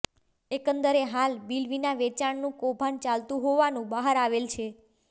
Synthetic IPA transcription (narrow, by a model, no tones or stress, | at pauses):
ekənd̪əɾeɦalbilʋinaʋet͡ʃaɳnũkobʱant͡ʃalt̪ũɦoʋanũbaɦəɾaʋelt͡ʃʰe